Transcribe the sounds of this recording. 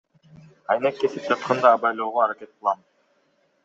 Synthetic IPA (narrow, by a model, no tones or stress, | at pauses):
ɑjnekːe̞sip̚d͡ʒɑt̪qʰɑnd̪ɑːbɑjlˠoːʁoɑɾakʲe̞t̪̚qɯlˠɑm